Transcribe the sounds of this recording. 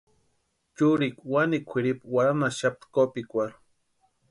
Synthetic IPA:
t͡ʃuɾikwanikʷʰiɾipwaɾamaʃap̚t̪kopikʷaɾ

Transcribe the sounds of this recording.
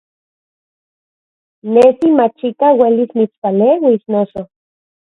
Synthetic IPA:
nesimat͡ʃikawelismit͡spalewisnoso

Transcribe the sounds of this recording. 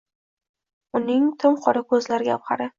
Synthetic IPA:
ʊnɪŋt̪ʰɪmqʰɒɾakʰɵzlaɾɪɡʲap̚qʰɑɾɪ

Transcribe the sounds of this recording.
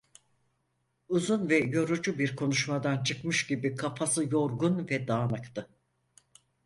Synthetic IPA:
uzunvɛjo̞ɾud͡ʒubiɾkʰo̞nuʃmad̪ant͡ʃʰɯkmɯʃɟibikʰafʰasɯjo̞ɾɡunvɛd̪aːnɯkt̪ʰɯ

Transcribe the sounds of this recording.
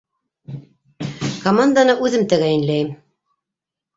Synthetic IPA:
komand̪anɤʔʉðɘmt̪æɣæjɘ̆nlæjm

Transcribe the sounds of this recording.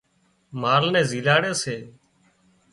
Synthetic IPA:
maːlnɛ̃ːziːlaːɽeːseː

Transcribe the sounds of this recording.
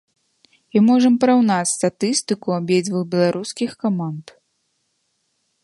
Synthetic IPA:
imɔʐɐmpɐɾawnat͡sʲst̪at̪ɨst̪ɨkuabʲjɛd͡zʲvɨxbʲɛlˠaɾʔuskʲixkamant̪

